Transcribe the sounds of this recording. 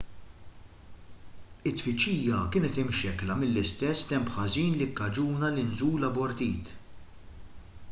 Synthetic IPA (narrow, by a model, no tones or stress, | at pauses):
ɪt̪ːfɪt͡ʃːiːjɐkɪːnɛt̪ɪmʃɛklɐmɪlːɪst̪ɛsːt̪ɛmpħɐziːnlɪkːɐd͡ʒuːnɐlɪnzuːlɐbɔɾt̪iːt̪